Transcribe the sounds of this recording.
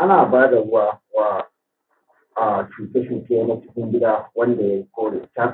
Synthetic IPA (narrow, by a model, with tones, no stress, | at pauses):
ʔa˦naː˨baː˦da˨ɽʊ˦waː˨waː˦ | ʔa˨t͡ʃuː˨kʼɐ˦ʃɪ˨kʲeː˦mɐ˦t͡ʃɪ˦ɸɪ˦mbɪ˦ɗaː˦wɐ˦nda˨ja˦kʷoː˦ɽḛː˨tʲaː˦